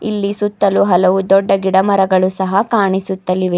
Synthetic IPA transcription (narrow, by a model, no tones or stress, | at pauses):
ḭlːisut̪ːɐluɦɐlɐʋud̪ɔɖːɐɡiɽɐmɐɾɐɡɐɭusɐɦɐkaːɳisut̪ːɐliʋe